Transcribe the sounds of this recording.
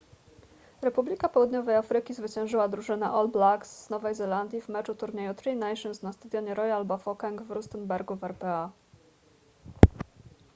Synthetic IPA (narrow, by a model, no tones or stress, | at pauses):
ɾɛpublʲikapɔwud̪ɲɔvɛjafɾɘkʲizvɘt͡ɕɛ̃w̃ʐɘwad̪ɾuʐɘnɛ̰ʔɔlblaksz̥nɔvɛjzɛland̪ʲjivmɛt͡ʂut̪uɾɲejut̪ɾinajʂɔnsnast̪ad̪jɔɲɛɾɔjalbafɔkaŋɡvɾust̪ɛnbɛɾɡuvɛɾpɛa